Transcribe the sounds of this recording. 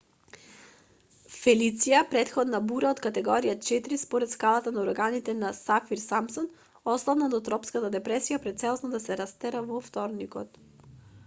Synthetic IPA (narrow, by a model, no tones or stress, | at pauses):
fɛlit̪sijapɾɛt̪xɔd̪nabuɾaɔt̪kat̪ɛɡɔɾijat͡ʃɛt̪ɾispɔɾɛt̪skalˠat̪anauɾɡanit̪ɛnasafiɾsamsɔn | ɔslˠavnad̪ɔt̪ɾɔpskat̪ad̪ɛpɾɛsijapɾɛt̪sɛlˠɔsnɔd̪asɛɾast̪ɛɾavɔft̪ɔɾnikɔ̰t̪